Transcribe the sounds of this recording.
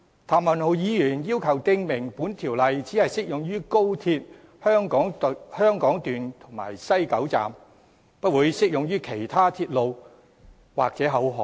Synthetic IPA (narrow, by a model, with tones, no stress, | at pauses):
t̪ʰaː˨mɐ˨nho˨˧wjiː˨˧jyː˨˩njiː˥wkʰɐ˨˩wt̪ɪ˧ŋmɪ˨˩ŋpuː˨˥nt̪ʰiː˨˩wlɐ˨jt͡siː˨˥hɐ˨jsɪ˥k̚jʊ˨ŋjyː˥ko˥wt̪ʰiː˧t̚ | hœː˥ŋkɔː˨˥ŋ˨hœː˥ŋkɔː˨˥ŋt̪yː˨nt̪ʰʊ˨˩ŋma̰ː˨˩jsɐ˥jkɐ˨˥wt͡sa̰ː˨m | pɐ˥t̚wuː˨˧jsɪ˥k̚jʊ˨ŋjyː˥kʰe˨˩jt̪ʰaː˥t̪ʰiː˧t̚lo˨˧w | wa̰ː˨k̚t͡sɛː˨˥ɦɐ˨˥wɦɔː˨